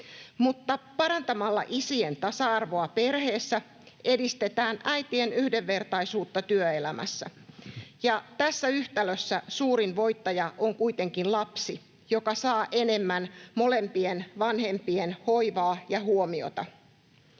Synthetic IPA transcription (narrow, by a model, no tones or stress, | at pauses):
mut̪ːɑpɑɾɑnt̪ɑmɑlːɑ̰ʔisient̪ɑsɑɑrʋo̞ɑpe̞rhe̞ːsːæ | ʔe̞dist̪e̞t̪æːnʔæjt̪ienyhde̞ʋːe̞rt̪ɑisuːt̪ːɑt̪yøelæmʔæ̰sːæ̰jɑt̪æsːæyht̪æløsːæsuːɾinʋo̞jt̪ːɑjɑʔoŋkuit̪e̞ŋkinlɑpsi | jo̞kɑsɑːʔe̞ne̞mːænmo̞le̞mpienʋɑnhe̞mpienho̞jʋɑːjɑɦuomio̞̰t̪ɑ̰